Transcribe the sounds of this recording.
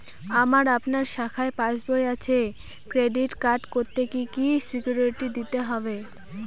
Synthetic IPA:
amaɾapnaɾʃakʰaepãʃbojat͡ɕʰe | kɾeɖiʈkaɾʈkoɾt̪ekikisikjuɾeʈid̪it̪eɦɔbe

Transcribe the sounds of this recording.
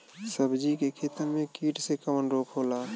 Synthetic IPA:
səbd͡ʒikekʰeːt̪əɾmẽkiːʈsekəmənɾoːkʰɦoːlaː

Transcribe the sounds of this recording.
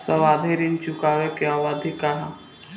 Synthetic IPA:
sɐʋaːd̪ʱeɾint͡ʃukaːʋekeaːʋad̪ʱikaɦa

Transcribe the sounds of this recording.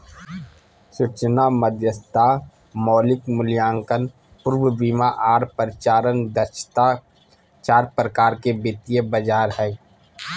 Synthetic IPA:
sʊt͡ʃnaməd̪jəst̪a | mɔːlɪkmʊljãːŋkən | pʊɾwəbiːmaʔaːɾpəɾɪt͡ʃaːɾənd̪əɾʃt̪a | t͡ʃaːɾpɾəkaːɾkebɪt̪ijəbəd͡ʒaːɾɦɛː

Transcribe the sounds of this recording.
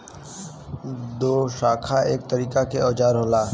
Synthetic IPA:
d̪oːʃaːkʰaʔeːk̚t̪əɾiːkakeɔːt͡ʃaːɾɦoːlaː

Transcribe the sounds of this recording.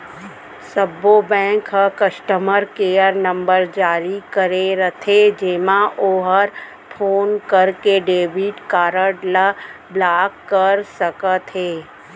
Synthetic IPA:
səbobɛ̃ːŋkɦəkəʃʈəməɾkeːəɾnɐ̃mbəɾd͡ʒaːɾikɐɾeɾɐt̪ʰed͡ʒeːmãʔoːɦəɾ | pʰoːnkəɾkeɖeːbiʈkaːɾəɖlə | blaːkːəɾsəkət̪ɦeː

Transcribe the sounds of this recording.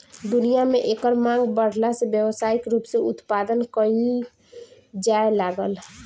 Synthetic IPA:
d̪unijameʔekəɾmãŋɡbəɽ̤lasebjəwsaikɾupseut̪pad̪ənkəii | d͡ʒaelaɡəl

